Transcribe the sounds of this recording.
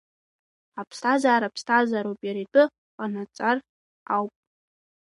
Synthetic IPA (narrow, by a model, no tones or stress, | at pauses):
apʰstʰazaːɾapʰstʰazaɾowpʼjaɾitʼɨ | qʼanat͡sʼar | awpʼ